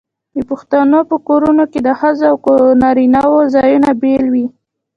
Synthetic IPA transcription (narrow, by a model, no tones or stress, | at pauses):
d̪əpʊxt̪anopəkoɾunoked̪əhazawkonɑɾinɑwozɑjunabelwi